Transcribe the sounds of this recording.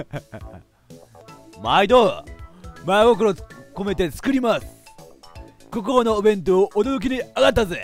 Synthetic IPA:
maid̪o | maiɡok̬ɯɾoko̞me̞t̪e̞t͡sɨ̥kɯ̟ɾʲimasɨ̥ | kokoonoːbẽ̞nt̪̬oːʔːd̪oɾok̬ʲiɲ̟iaɡat̪ːaze

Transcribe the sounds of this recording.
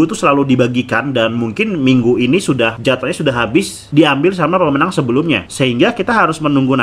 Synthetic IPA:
ut̪usəlaludibaɡikandanmuŋkɪnmiŋɡuinisudahd͡ʒat̪aɲasudaɦːabɪs | diambɪls̬amapəmənaŋsəbəlʊmɲa̰səɦiŋɡakit̪aɦaɾʊsmənuŋɡuna

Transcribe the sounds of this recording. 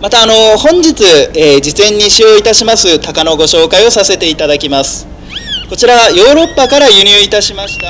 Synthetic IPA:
mat̪aːno̞hõ̞ɲd͡ʑit͡sɨeːd͡ʑizẽ̞ɲ̟ːiɕijo̞it̪aɕimasɨt̪akano̞ɡo̞ɕo̞ːkaio̞sase̞t̪e̞it̪ad̪akʲimasɨ̥ | ko̞t͡ɕiɾajo̞ːɾo̞pːakaɾajɯ̟ɲ̟ʲɯit̪aɕimaɕi̥t̪a

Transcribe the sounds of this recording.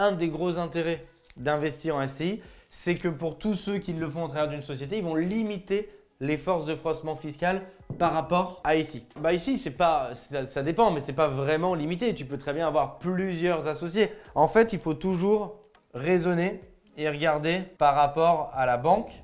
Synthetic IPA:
ɛ̃d̪eɡʁozɛ̃t̪eʁɛ | d̪ɛ̃vɛst̪iʁɑ̃ɛseisɛkəpuʁt̪usøkʲilːəfɔ̃at̪χavɛʁd̪ynsɔsjet̪eilvɔ̃limit̪e | lefɔʁsd̪əfχɔsmɑ̃fiskʲal | paʁːapɔʁaisibaisisɛpasasad̪epɑ̃mɛsɛpavʁɛmɑ̃limit̪̬et̪ypøt̪χɛbjɛ̃avwaʁplyzjœʁzasɔsjeɑ̃fɛt̪ilfot̪uʒuʁː | ezɔne | eʁəɡaʁd̪epaʁːapɔʁalabɑ̃k

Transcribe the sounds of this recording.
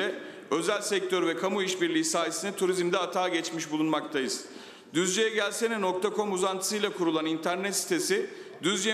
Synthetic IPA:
ɛ | ø̞zælʲsɛc̚t̪ʰøɾvɛkʰamuiʃbiɾlʲiːsaːjesinɛt̪ʰuɾizmd̪ɛat̪ʰaːɟɛt͡ʃmiʃbulˠunmak̚t̪ʰajɯz̥ | d̪yzd͡ʒe̞jɛɟælʲsɛnɛno̞kt̪ʰakʰo̞muzant̪ʰɯsɯjlˠakʰuɾulˠanint̪ʰæɾnɛt̪si̥t̪ʰe̞sid̪yzd͡ʒe

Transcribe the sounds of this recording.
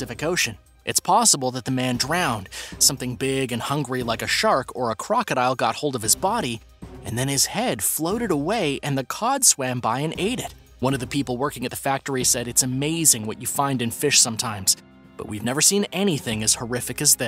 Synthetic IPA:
ɪfɨkoʊʃɨ̃n | ʔɨtspʰɑsəbl̩ˠðət̪̚ðɨmæ̃ndɹãʊ̃nd̥sʌ̃mθɪ̃ŋbɪɡɨ̃nhʌ̃ŋɡɹilaɪkɨʃɑɹkʰə˞əkʰɹ̥ɑkɨɾaɪlˠɡɑ̰t̚hoʊlˠdʌv̥ɨzbɑɾi | ɨ̃nðɨ̃nɨz̥hɛd̥floʊɾɨɾəweɪʔɨ̃nðɨkʰɑd̥swæ̃mbaɪɨ̃nʔeɪɾɪt̚ | wʌ̃ñʌvðɨpʰipl̩ˠwɜ˞kɪ̃ŋɨt̪̚ðəfæk̚tə˞isɛɾɨtsɨmeɪzɪ̃ŋwʌt͡ʃɨfãɪ̃ndɨ̃nfɪʃsʌ̃mtʰãɪ̃mz̥ | b̥ʌ̰ʔ̚wivnɛvə˞sĩnɛñiθɪ̃ŋɨz̥hə˞ɪfɨkɨzðɨ

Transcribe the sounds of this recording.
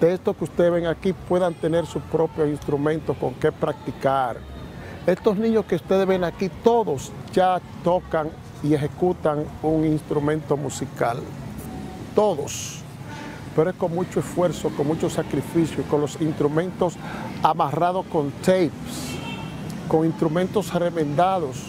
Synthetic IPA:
d̪̥eest̪oskeust̪eðeβeŋakipwe̞ðant̪e̞ne̞ɾsuspɾo̞pjosinst̪ɾumẽnt̪osko̞ŋke̞pɾak̚t̪ikaɾ | e̞st̪o̞snĩɲo̞skeust̪e̞ðeβenakit̪o̞ðosd͡ʒat̪o̞kaŋ | ie̞xe̞kut̪aŋuŋinst̪ɾumẽ̞nt̪o̞musika̰l | t̪o̞ðos | peɾoesko̞ŋmut͡ʃoesfwe̞ɾsokoŋmut͡ʃosakɾifisjokonlo̞sinst̪ɾumẽ̞nt̪o̞samarað̞o̞sko̞nt̪ejps | ko̞ŋinst̪ɾumẽnt̪o̞sremẽnd̪aðos

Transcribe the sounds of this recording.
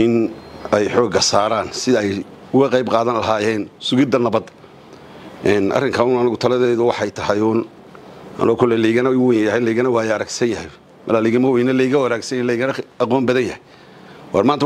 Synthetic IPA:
ʔɪnɛjħɔːɡɐsaːɾaːnsɪðɐɛj | ʊɣɐqɑjbqɑːðɐnlɐɦaːɛːnsʊɣɪd̪ɐnɐbɐd̪ | ʔɛːnʔɐ̰rɪŋkʰɐʊnɐnɐɣʊt̪ʰɐlɐðɛːðʊwɑħɑjt̪ʰɐhɛjʊn | ɐ̰nɔːkʰʊlɛliɣɐnɐwɛjnjɐhɛliːɣɐnɐwaːjɛɐɾɛɡsɐnjɐhɛj | mɐlaːliɣɐmɐwɛjnɐlɛɣɐwɐɾɛːɡsɐnlɛjɣɐnɐɐqɔːmbɐðɐnjɐhɛj | wɑrmaːnt̪ɐ

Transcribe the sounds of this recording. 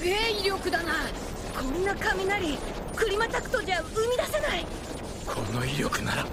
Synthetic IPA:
eːiɾʲo̞kɯ̟d̪ana | amʲĩnːakamʲinaɾʲi | kɯɾʲimat̪akɯ̥t̪od͡ʑaaɯmʲid̪asenai | kʰo̞̰no̞iɾʲjo̞kɯ̟na̰ɾa̰

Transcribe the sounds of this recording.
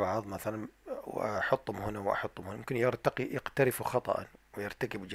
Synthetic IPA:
baʕðˤmaθalanwʔaħʊt̪ˤːhʊmhɪnawʔɑ̰ħʊt̪ˤːʊmhʊnmʊmkɪnjɪɾt̪aqijɪqt̪aɾɪfuxɑt̪ˤɑ̰ʔɑ̰nwɪjɪɾˤt̪akɪbd͡ʒ

